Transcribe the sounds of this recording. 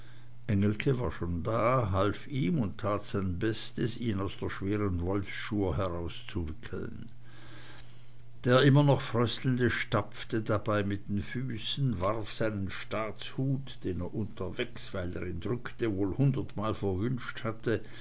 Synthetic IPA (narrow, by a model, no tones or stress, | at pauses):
ʔɛŋl̩kʰəva̰ːɐʃoːndaːɦalfiːmʊnttʰaːtz̥aɪnbɛstəsiːnaʊsd̥eːɐʃv̥eːʁənvɔlfʃuːɐɦɛʁaʊst͡suvɪkʰl̩n | d̥eːɐʔɪmɐnɔχfʁ̥œstl̩n̩dəʃtap͡ftədabaɪmɪt̚d̥eːnfyːsn̩vaʁfz̥aɪnənʃtaːt͡shuːtd̥eːneːɐʔʊntʰɐvɛksv̥aɪlḛːʁɛnd̥ʁʏktəvoːlhʊndɐtmaːlfɛɐvʏnʃthatʰə